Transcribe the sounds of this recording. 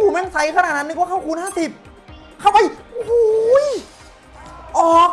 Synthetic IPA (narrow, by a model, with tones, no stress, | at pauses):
uː˨˩mɛ˦˧˥ŋsa˧˦˥jkʰa˧naː˨˩t̪̚na˦˥nː˧˩kɔː˥˩ka˥˩wkʰuː˧nhaː˥˩si˨˩p̚ | kʰa˥˩wʔa˧˩jʔu˨˩hu˥j | ʔɔː˨˩k̚